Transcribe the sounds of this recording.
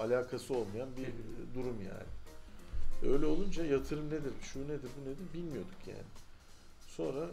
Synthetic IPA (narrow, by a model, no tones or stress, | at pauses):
alʲaːkʰasɯo̞lˠmajanbid̪uɾumja̰ːnɪ | øjlʲɛo̞lˠund͡ʒajat̪ʰɯɾɯmned̪iɾʃune̞d̪iɾbuned̪iɾbilʲmijo̞d̪ukʰja̰ːnɪ | so̞nɾa